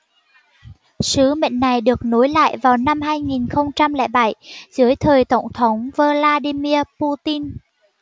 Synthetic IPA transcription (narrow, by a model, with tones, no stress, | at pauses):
sɨ˨˦mḛ˧˨ŋ̟ːa˨˩jɗɨ˨˩ək̚no˨˦jla̰ː˧˨jvaː˨˩wna˧mhaː˧jŋi˨˩nxə˧wŋ͡mt͡ɕa˧mlɛ̰˧˥ɓa˧˩jzɨ˨˦əjt̪ʰəː˨˩jt̪ə˧˩wŋ͡mt̪ʰə˨˦wŋ͡mvəː˧laː˧ɗi˧mi˧əpu˧t̪i˧n